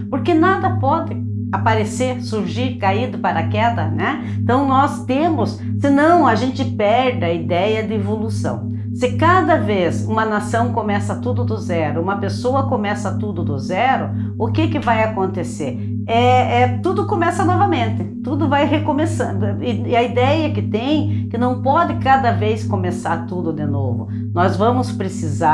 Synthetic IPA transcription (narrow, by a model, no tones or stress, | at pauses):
poɾkɪnad̪ɐpɔd̪ɪ | apaɾeseɾsuɾʒiɾkaid̪ʊpaɾɐkɛd̪ɐnɛ̃ | t̪ɐ̃w̃nɔst̪ẽmʊsːɪnɐ̃w̃aʒẽnt͡ʃ̪ɪpɛɾd̪ɪɐid̪ɛjɐd̪ɪevolusɐ̰̃w̃ | sɪkad̪ɐvezũmɐnasɐ̃w̃komɛsɐt̪ud̪ʊd̪ʊzɛɾʊũmɐpesoɐkomɛsɐt̪ud̪ʊd̪ʊzɛɾʊ | ʊkɪkɪvajakõnt̪eseɾ | ɛɛt̪ud̪ʊkõmɛsɐnɔvɐmẽnt̪ɪt̪ud̪ʊvajɦekomesɐ̃ɪɪɐid̪ɛjɐkɪt̪ẽj̃kɪnɐ̃w̃pɔd̪ɪkad̪ɐveskomesaɾt̪ud̪ʊd̪ɪno̰vʊ̰ | nɔzvɐ̃mʊspɾesiza